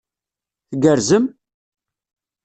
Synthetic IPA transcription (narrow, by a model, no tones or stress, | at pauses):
θəɡəɾzəm